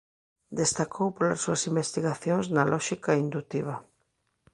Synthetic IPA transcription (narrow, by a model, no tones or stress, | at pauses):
d̪est̪akʰowpola̰sːuɐsimbest̪iɣaθjoŋznalʔɔʃikaind̪ut̪iβ̞ɐ